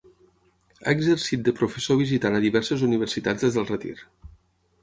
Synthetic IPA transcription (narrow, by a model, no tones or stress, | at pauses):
a̰eɡzəɾsit̪̚d̪əpɾufəsoβizit̪anaðiβɛɾsəzuniβ̞əɾsit̪ad͡zðezðəlˠrət̪ḭɾ